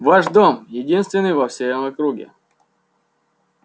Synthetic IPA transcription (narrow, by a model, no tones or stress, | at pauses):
vaʂd̪omjɪdʲinst̪vʲɪnːɨjvɐfsʲejomɐkɾuɡʲɪ̰